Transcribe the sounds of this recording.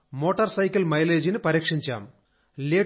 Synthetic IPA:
mo̞ːʈːɐrsɐjkːɐlmɐjleːd͡ʑinɨpɐɾiːkʂiɲt͡ɕa̰ːm | leː

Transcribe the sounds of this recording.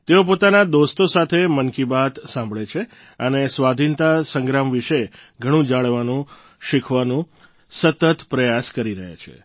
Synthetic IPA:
t̪eop̬ot̪anad̪ost̪osat̪ʰemənkibat̪sãmbʱɭet͡ʃʰe | ənesʋad̪ʱint̪asəŋɡɾamʋiʃeɡʱəɽ̃ũd͡ʒaɭʋanũ | ʃikʰʋanũ | sət̪ət̪pɾəjaskəɾiɾəɦa̰t͡ʃʰḛ

